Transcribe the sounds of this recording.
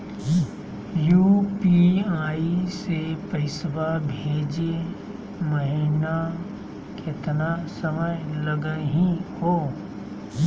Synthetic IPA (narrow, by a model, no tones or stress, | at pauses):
juːpiaːisepəɪswabʱeːd͡ʒe | məɦɪna | kʰet̪nasəməjləɡəɦĩhoː